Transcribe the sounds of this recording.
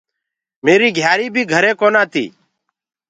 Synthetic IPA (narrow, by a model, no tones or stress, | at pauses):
meːɾiːɡʱjaːɾiːbʱiːɡʱəɾeːkoːnãːt̪ʰḭː